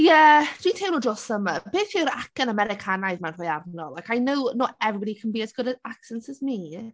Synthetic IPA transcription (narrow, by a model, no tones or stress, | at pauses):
jɛd̥ʰwitʰeːwnodrɔsəməb̥eːθiɾakənəmɛɾɪkʰanajðmanr̥ɔːjavnɔlˠakʰajnəwnoɛvbdikʰənbiːəsɡ̥ʊdəaksɛnsɪsmi